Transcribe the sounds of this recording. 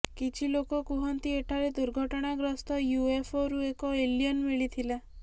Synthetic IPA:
kit͡ʃʰilokɔkuɦɔnt̪ieʈʰaɾed̪uɾɡʱɔʈɔɽ̃aɡɾɔst̪ɔjuepʰɔɾuekɔelijɔnmiɭit̪ʰila

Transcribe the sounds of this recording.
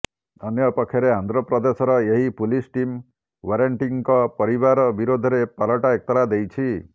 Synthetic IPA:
ɔnjɔpɔkʰjɔɾeɦand̪ɾɔpɾɔd̪esɔɾɔeɦipulisʈim | waɾaɳʈiŋkɔpɔɾiβaɾɔbiɾod̪ʱɔɾepalɔʈaek̚t̪ɔɾad̪ejt͡ʃʰi

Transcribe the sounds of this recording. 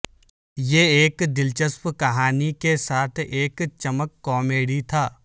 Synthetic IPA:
jeeːkd̪ɪlt͡ʃəspkɐɦaːnikesaːt̪ʰeːkt͡ʃəməkːɔːmeːɽit̪ʰaː

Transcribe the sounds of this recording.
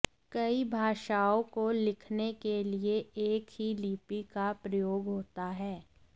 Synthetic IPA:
kɐibʱaːʃaːõkolɪkʰnekelieeːkɦiliːpikapɾɐjoːɡɦoːt̪aɦɛː

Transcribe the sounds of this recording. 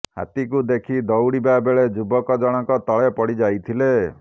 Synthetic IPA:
ha̰t̪ik̬ud̪ekʰid̪ɔwɽibabeɭed͡ʒubɔkɔd͡ʒɔɽ̃ɔkɔt̪ɔɭepɔɽid͡ʒajt̪ʰile

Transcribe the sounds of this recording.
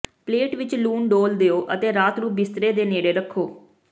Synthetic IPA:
pleːʈʋɪt͡ʃluːnɖoːld̪eːoːʔət̪eːɾaːt̪ɾuːp̚bɪst̪ɾeːd̪eːneːɽeːɾəkʰːoː

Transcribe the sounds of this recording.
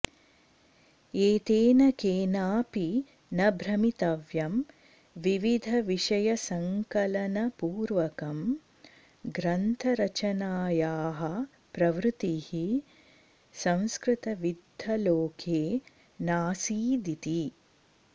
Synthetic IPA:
eːt̪eːnɐkeːnaːpi | nɐbʱɾɐmit̪ɐʋjɐm | ʋiʋid̪ʱɐʋiʂɐjɐsɐŋkɐlɐnɐpuːɾʋɐkɐm | ɡɾɐnt̪ʰɐɾɐt͡ʃɐnaːjaːɦɐ̆ | pɾɐʋɾɨt̪ihi | sɐ̃w̃skɾɪt̪ɐʋid̪ʱːɐloːkʰeː | naːsiːd̪it̪i

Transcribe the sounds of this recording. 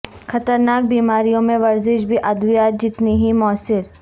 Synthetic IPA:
xɐt̪əɾnaːk̚biːmaːɾijõmẽʋɐɾzɪʃbʱiʔɐd̪ʋijaːt̪̚d͡ʒɪt̪niɦimɔːsɪɾ

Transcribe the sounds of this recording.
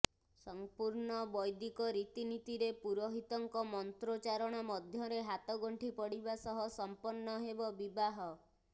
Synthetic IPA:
sɔmpuɾɳɔbɔjd̪ikɔɾit̪init̪iɾepuɾɔɦit̪ɔŋkɔmɔnt̪ɾot͡ʃaɾɔɽ̃ɔmɔd̪ʱjɔɾeɦat̪ɔɡɔɳʈʰipɔɽibasɔɦɔsɔmpɔnːɔɦebɔbibaɦɔ

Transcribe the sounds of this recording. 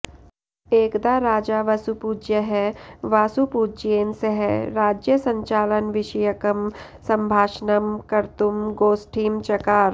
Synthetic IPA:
eːkd̪aɾaːd͡ʒaʋɐsupuːd͡ʒjəɦɛʋaːsupuːd͡ʒeːnseɦɛɾaːd͡ʒjəsɐ̃ɲt͡ʃaːlənʋɪʃɐjəkəm | sɐ̃mbʱaːʃnəmkɐɾt̪umɡoːsʈʰiːmt͡ʃɐkaːɾ

